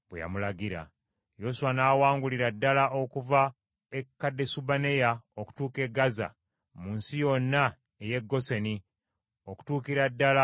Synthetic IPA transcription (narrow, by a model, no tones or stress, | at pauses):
bweja̰mulaɡiɾa̰ | jo̞suanaːwaːŋɡuliɾadːalaʔokuva | ekːadːe̞subane̞jaoku̥tuːke̞ɡaza̰ | munsijo̞nːa | eje̞ɡːo̞seni | o̞ku̥tuːkiɾadːala